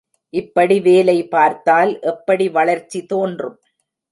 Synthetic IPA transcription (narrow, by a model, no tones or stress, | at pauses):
ʔɪpːɐɽiʋeːlɐɪpaːɾt̪aːlʔɛpːɐɽiʋɐɭɐɾt͡ʃːit̪oːndrɯm